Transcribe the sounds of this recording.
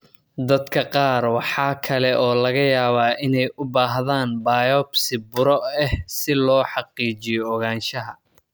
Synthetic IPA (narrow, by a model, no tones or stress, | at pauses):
d̪ɐd̪kʰɐqɑːrwɑħɑːkʰɐlɛʔɔːlɐɣɐjaːβaːʔɪnɛjʔʊbaːɦðaːnbaːjɔbsɪbʊɾɔɛhsɪlɔːħɑqiːt͡ʃɪjɔːɣaːnʃɐɦɐ